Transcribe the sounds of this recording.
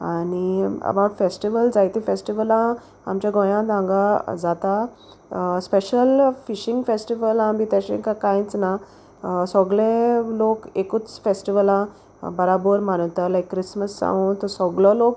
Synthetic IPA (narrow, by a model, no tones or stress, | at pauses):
aniə̰bawʈfesʈiʋəld͡zajt̪ĩfesʈiʋəlã | a̰mt͡ɕjaɡɔ̃j̃ãd̪ʱãŋɡad͡zat̪a | speɕəlfiɕĩŋɡfesʈiʋəlãmit̪aɕḛ̃kakãjt͡sna | sɔɡlẽlokekut͡sfesʈiʋəlã | bəɾabəɾmaɽ̃ət̪alajkːɾisməsːã̰ũt̪ɔsɔɡlɔlok